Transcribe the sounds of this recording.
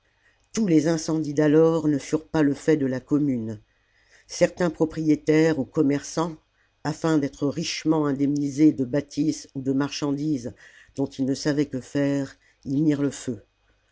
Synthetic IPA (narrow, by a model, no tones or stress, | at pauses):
t̪ulezɛ̃sɑ̃d̪id̪alɔʁnəfyʁpaləfɛd̪əlakɔmyn | sɛʁt̪ɛ̃pχɔpχijet̪ɛʁukɔmɛʁsɑ̃ | afɛ̃d̪ɛt̪χəʁiʃmɑ̃ɛ̃d̪ɛmnized̪əbat̪ʰisud̪əmaʁʃɑ̃d̪izd̪̥ɔ̃t̪ilnəsavɛkəfɛʁ | imiʁləfø